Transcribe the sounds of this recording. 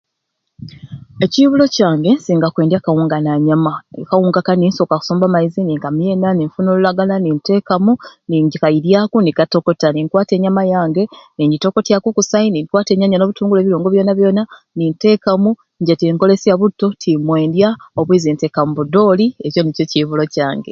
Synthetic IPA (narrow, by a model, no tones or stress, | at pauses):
e̞ciβulo̞caːŋɡe̞siːŋɡakwe̞ːndjakawuːŋɡanaɲamakawuːŋɡakaninso̞kaku̥soːmbamaiziniŋkamjeːnaniɱfuno̞lulaɡalaninte̞ːkamuniɲɟikajiɾjakunikato̞ko̞taniŋkwaːte̞ːɲamajaːŋɡe̞niɲɟito̞ko̞tjakukusainiŋkwaːte̞ːɲaɲano̞ːβutuːŋɡule̞ːβiloːŋɡo̞βjo̞naβjo̞ːna | ninte̞kamu | ɲɟetiŋko̞le̞siaβutːo̞tʰimwe̞ːndjaoβwiːzinteːkamuβudo̞ːlieco̞nico̞ciβulo̞caːŋɡe̞̰